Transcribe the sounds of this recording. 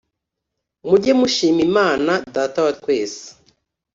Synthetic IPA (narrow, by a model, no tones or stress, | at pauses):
muɟemuʃiːmimaːnadaːtawatkwe̞ːsi̥